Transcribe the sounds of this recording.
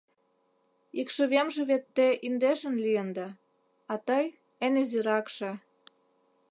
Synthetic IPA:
ikʃə̆βemʒĕβet̪ːeʔind̪eʃə̆nliənd̪ɑ | ɑt̪əj | eneziɾɑkʃĕ

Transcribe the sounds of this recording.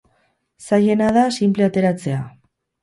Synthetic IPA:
saje̞naðasimple̞at̪e̞ɾat͡se̞a

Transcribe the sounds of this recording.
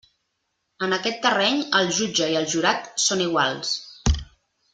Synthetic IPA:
ənəkɛt̪ːərɛɲəlˠʒud͡ʒəiəlˠʒuɾat̪soniɣ̞walˠs

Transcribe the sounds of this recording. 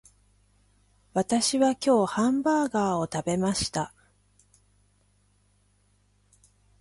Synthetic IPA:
βat̪aɕiβakʲo̞ːhãmbaːɡaːo̞t̪abe̞maɕi̥t̪a

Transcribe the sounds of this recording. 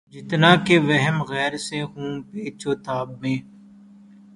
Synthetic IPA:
d͡ʒɪt̪nakeʋɛɦɛmɣɛːɾseɦũːpeːt͡ʃoːt̪aːbmẽː

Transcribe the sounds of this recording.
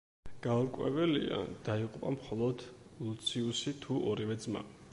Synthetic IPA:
ɡ̥aɔɾkʼwɛ̰vɛlḭa̰d̪̥aiqʼupʼamχɔlˠɔd̪lut̪sʰiusit̪ʰuɔɾivɛd̪zma̰

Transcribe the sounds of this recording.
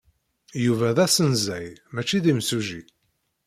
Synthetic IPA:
juvæðæsənzæjmæt͡ʃːiðimsuʒi

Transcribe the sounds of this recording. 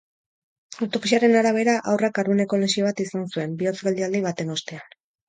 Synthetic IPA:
awt̪o̞kisiaɾe̞naɾaβ̞e̞ɾaʔawrakaɾðune̞ko̞lesiβ̞at̪isansue̞mbio̞t͡sɡeld̪iald̪iβ̞at̪e̞no̞st̪e̞an

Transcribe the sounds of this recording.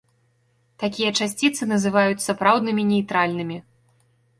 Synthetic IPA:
t̪akʲijɐt͡ʂasʲt͡sʲit̪sɨnɐzɨvajut͡sʲsapɾawd̪nɨmʲinʲejt̪ɾalʲnɨmʲi

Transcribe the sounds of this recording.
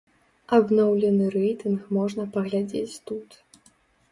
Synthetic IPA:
ɐbnɔwlʲɛnɨɾɛjt̪ɨnxmɔʐnɐpɐɣlʲad͡zʲḛt͡sʲt̪ut̪

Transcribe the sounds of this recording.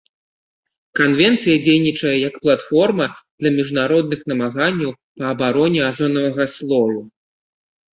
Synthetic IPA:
kanvʲɛnt̪sɨjɐd͡zʲejnʲit͡ʂɐjɐjɐkplˠat̪fɔrmɐd̪̥lʲɐmʲiʐnaɾɔd̪̚nɨxnɐmaɣanʲːɐw | pɐːbaɾɔnʲɛazɔnɐvɐɣɐslˠɔɾu

